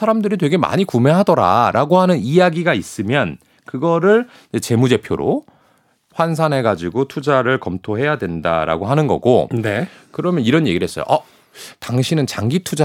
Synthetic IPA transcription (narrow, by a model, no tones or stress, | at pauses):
sʰaɾamdɯɾitwe̞ɡe̞ma̰ɲikume̞ɦadʌɾa̰ɾʔaɡoɦanɯnijaɡiɡais͈ɯmjʌn | kɯɡʌɾɯɭ | et͡ɕe̞mud͡ʑe̞pʰjo̰ɾo̰ | ɸwansʰanɦe̞ɡad͡ʑiɡotʰud͡ʑaɾɯɭkʌmtʰoɦe̞jadwenda̰ɾa̰ɡoɦanɯnɡʌ̰ɡone | kɯɾʌmjʌniɾʌnje̞ɡiɾɭɦes͈ʌjo̰ʔʌ | taŋɕʰinɯnt͡ɕaŋɡitʰud͡ʑa